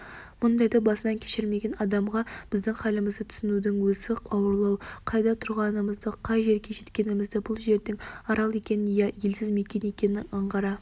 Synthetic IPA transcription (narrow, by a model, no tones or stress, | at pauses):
mʊnd̪ɑjd̪ɑbɑsənɑŋkʲʰe̥ʃɪɾme̞ɡʲe̞nɑd̪ɑmʁɑb̥ɪzd̪ɪŋχɑlɪməzd̪ət̪ʰʏ̥sɪnud̪ɪŋwɵzɪqɑwəɾlˠɑwqʰɑjd̪ɑt̪ʰʊɾʁɑnəməzd̪əqʰɑjʒe̞ɾɡʲe̞ʒe̞t̪kʲe̞nɪmɪzd̪ɪbʊlˠʒe̞ɾd̪ɪŋɑɾɑlˠe̞kʲe̞nɪnjɑje̞lsɪzme̞kʲe̞ne̞kʲe̞nɪɑɴʁɑɾɑ